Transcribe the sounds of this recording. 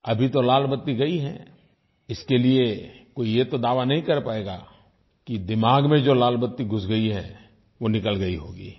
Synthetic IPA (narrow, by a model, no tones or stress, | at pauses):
ɐbʱit̪olaːlbət̪ːiɡɐiɦɛ̰̃ | ɪskeliekoːijet̪od̪aːʋanɐɦĩkɐɾpaːeːɡa̰ː | kid̪ɪmaːɡmẽd͡ʒoːlaːlbət̪ːiɡʱʊsɡɐiɦɛ̰̃ | ʋonɪkəlɡɐiɦoːɡḭː